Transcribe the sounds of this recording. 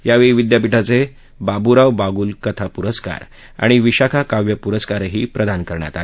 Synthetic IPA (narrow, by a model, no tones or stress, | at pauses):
jaʋeiʋid̪japiʈat͡se | babuɾaʋbaɡuːlkət̪ʰapuɾəska̰ɾ | a̰ɽ̃iʋiɕakʰakaʋjəpuɾəskaɾɦiːpɾəd̪ankəɾɳja̰t̪a